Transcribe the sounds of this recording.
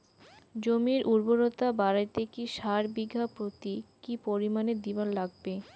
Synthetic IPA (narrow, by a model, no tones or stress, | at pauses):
d͡ʑomiɾʔuɾboɾot̪abaɾajt̪ekiʃaɾbiɡʱːapɾot̪ikipoɾimaned̪ibanlaɡ̚be